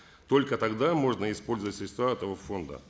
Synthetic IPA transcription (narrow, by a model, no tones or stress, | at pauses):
t̪o̞lʲkət̪ɐɡd̪amo̞ʐnəɪspo̞lʲzəvətʲɪlʲst̪vaɛt̪əvəfo̞nd̪ə̰